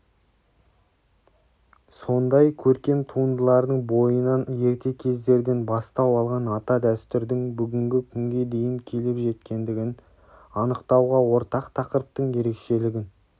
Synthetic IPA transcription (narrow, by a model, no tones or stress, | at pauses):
so̞nd̪ɑjkʲʰɵɾkʲe̞mt̪ʰuənd̪əlˠɑɾd̪əɴbo̞jənɑnje̞ɾt̪e̞kʲʰe̞zd̪e̞ɾd̪e̞nbɑst̪ɑwɑlˠʁɑnɑt̪ɑd̪æst̪ʏɾd̪ɪŋbʏɡʲɪŋɡʲɪkʲʰʏŋɡʲe̞d̪e̞jɪŋkʲʰe̞lɪpʒe̞t̪kʲe̞nd̪ɪɡʲɪn | ɑnəqt̪ɑwʁɑwo̞ɾt̪ɑqt̪ʰɑqəɾəp̚t̪əɴje̞ɾe̞kʃe̞lɪɡʲɪn